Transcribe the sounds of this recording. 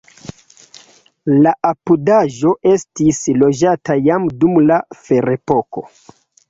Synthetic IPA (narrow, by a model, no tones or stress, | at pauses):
laʔapudaʒo̞ʔe̞stislo̞d͡ʒatajamdumlafe̞ɾe̞po̞ko̞̰